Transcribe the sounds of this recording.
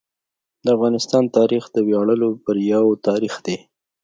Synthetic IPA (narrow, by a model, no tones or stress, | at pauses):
d̪əafɣɑnɪst̪ɑnt̪ɑɾixd̪əwjɑɽəlopəɾjawt̪ɑɾixd̪e